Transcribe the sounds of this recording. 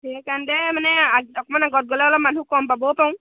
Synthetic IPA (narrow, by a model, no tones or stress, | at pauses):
ekaɳdɛmanɛaɔkɔmanaɡɔɾ̚ɡɔlɛlɔmanɦukɔmbabopaw̃